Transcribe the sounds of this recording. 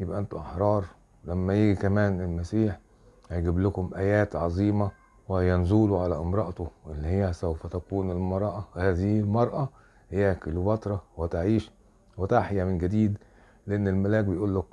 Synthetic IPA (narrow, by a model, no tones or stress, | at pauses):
jɪbʔæʔænt̪uʔɑħɾˤɑːɾˤ | læmːæjiːɡikæmæːnelmæsiːħ | hæjɡɪblʊkʊmʔæjæːt̪ʕɑzˤiːmɑ | wehjːænzuːluʕalæʔɪmɾˤɑʔt̪oʔelːihejːæsæwfæt̪ækuːnelmɑɾˤɑʔɑhæːðihɪlmɑɾˤʔɑ | hɪjːækɪlubɑt̪ˤɾˤɑwet̪aʕiːʃ | wet̪aħjæmɪnɡæd̪iːd̪ | leʔenːelmælæːk̚bejʔuːlːæk